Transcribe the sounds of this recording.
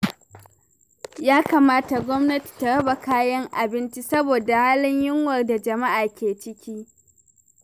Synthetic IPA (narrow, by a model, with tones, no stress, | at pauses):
jaː˦kaː˨maː˦ta˨ɡʷɔ˦mnɐ˦ti̥˨ta˨ɽɐ˦ba˨kaː˦jɐ˦ŋʔa˨bɪ˦nt͡ʃi˦sɐ˦boː˨da˨haː˦lɪ˦ɲjɪ˦ŋwɐ˨rda˨d͡ʒɐ˨ma˦ʔaː˨kʲeː˨t͡ʃɪ˦kʲiː˦